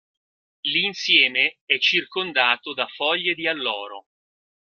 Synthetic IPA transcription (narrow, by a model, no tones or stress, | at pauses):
linsjɛːmeɛt͡ʃːirkond̪aːt̪od̪afɔʎːed̪ialːɔːɾo